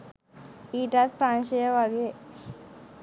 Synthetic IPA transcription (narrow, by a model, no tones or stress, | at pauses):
iːʈat̪̚pɾaːnʃəjəʋaɡeː